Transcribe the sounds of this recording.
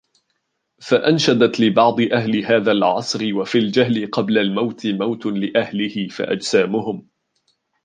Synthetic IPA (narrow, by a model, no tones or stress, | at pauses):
faʔanʃad̪at̪lɪbɑʕd̪ˤɨʔahlɪɦaːðalʕɑsˤɾɪwafiːld͡ʒaɦlɪqɑblalmawt̪ɪmawt̪lɪʔahlɪhɪfa̰ʔa̰d͡ʒsaːmʊɦʊm